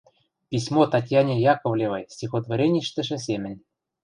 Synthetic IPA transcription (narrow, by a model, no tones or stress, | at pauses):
pʲisʲmot̪ɑtʲjɑnʲejɑkŏvlʲevɤjsʲixod̪voɾʲenʲiʃt̪ɘ̆ʃɘ̆s̬ʲemʲɘ̆nʲ